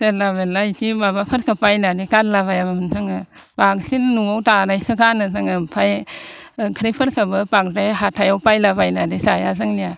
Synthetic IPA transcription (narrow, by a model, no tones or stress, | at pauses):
selabelajkʰimabapʰɯɾkʰapajnadikadlabajamamɯntʰaŋɯpaksinnuawtanajsɯkʰanɯtaŋɯpʰaj | kʰɾipʰɯɾkʰabɯpak̚tajɦatʰajawpajlabajnadisajazɯŋlija